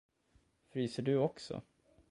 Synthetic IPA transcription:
fɾyːsəɖɵɔksɔ̰

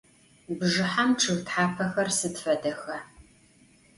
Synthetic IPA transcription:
bʒɨħamʈ͡ʂʰɨɣtħaːpʰɐxɐrsɨtfɐdɐxɐ

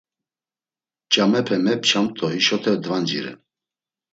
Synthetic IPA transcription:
t͡ʃʼamɛpʰɛmɛp̚ʰʼt͡ʃʰamt̪ʼɔhiʃɔt̪ʰɛd̪vand͡ʒḭɾɛ̰

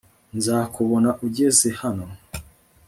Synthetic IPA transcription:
nzaːkuβo̞naʔuɟezehano

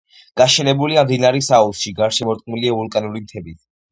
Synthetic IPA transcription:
ɡ̥aʃɛnɛbuliamd̪inaɾɛsaɔlˠʃiɡaɾʃɛmɔɾt̪ʼqʼmiliaulˠkʼanuɾimt̪ʰɛbit̪

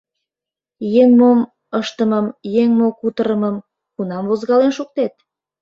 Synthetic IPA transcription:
jeŋmom | əʃt̪əməmjeŋmokut̪əɾəməm | kunɑmvozɣɑlenʃuk̚t̪et̪̚

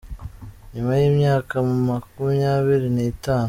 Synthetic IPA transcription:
ɲumajiːmɲaːkamumakumijaːβiɾineitaːnu

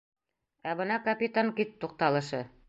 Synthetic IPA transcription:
æbɤ̆nɑkɐpʲit̪aŋkitt̪ːuq̚t̪ɑlˠɤ̆ʃɤ

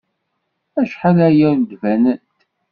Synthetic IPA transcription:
æʃħəɾæjæɾd̪vænənt̪

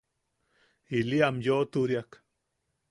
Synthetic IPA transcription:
iliamjot̪uɾjak

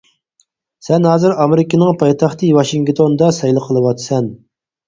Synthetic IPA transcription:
sɛnɦɑːzɨɾɑmeɾɪkʲɪnɪŋpʰɑjt̪ʰɑχt̪ʰɨwɑʃiŋkt̪ʰond̪ɑsɛjlˠəqʰəlˠɨwɑt̪sɛn

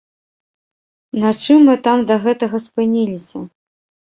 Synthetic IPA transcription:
nɐt͡ʂɨmːɨt̪amd̪ɐɣɛt̪ɐɣɐspɨnʲilʲisʲɐ

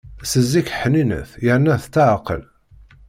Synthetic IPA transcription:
səzːikəħninə̰θjəɾnæθt͡s̪ːaʕəqə̰l

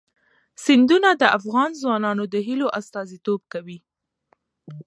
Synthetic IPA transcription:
sɪnd̪unad̪əʔafɣɑnzwɑnɑnod̪əɦiloʔast̪ɑzit̪ob̚kawi

